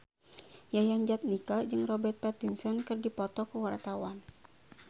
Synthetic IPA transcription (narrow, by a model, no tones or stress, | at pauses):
jajaŋd͡ʒat̪̚nikad͡ʒɨŋrɔbɛrt̪̚pɛt̪insɔnkɨrdipɔt̪ɔkəwart̪awan